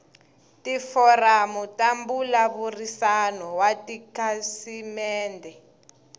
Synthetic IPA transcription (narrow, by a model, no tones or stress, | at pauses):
tifɔramutambulaβurisanɔwatikasimɛːndɛ